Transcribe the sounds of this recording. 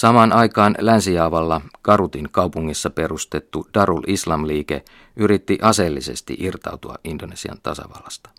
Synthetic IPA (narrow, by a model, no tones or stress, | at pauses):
sɑmɑːnɑjkɑːnlænsijɑːʋɑlːɑɡ̥ɑɾut̪iŋkɑupuŋːisːɑpe̞ɾust̪e̞t̪ːud̥ɑɾulʔislɑmliːke̞̰ | ʔyɾit̪ːiʔɑse̞lːise̞̰st̪ḭʔirt̪ɑ̰wt̪uɑ̰ʔindonesiɑ̰nt̪ɑ̰sɑ̰ʋɑ̰lːɑst̪ɑ̥